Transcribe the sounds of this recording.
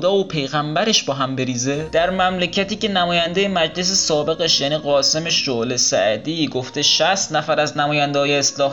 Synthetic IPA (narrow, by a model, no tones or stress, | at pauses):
d̪ɒːopʰe̞jɣæmbæɾe̞ʃbɒːɦæmbe̞ɾiːze̞d̪̥æɾmæmlecʰæt̪iːce̞næmɒːjænd̪ejemæd͡ʒle̞s̬esɒːbe̞ɣe̞ʃjæniːɣɒːse̞me̞ʃd͡ʒoʔlesæ̰ʔd̪iːɡo̞ft̪e̞ʃæst̪næfæɾæznæmɒːjænd̪ehɒːjeːslɒːh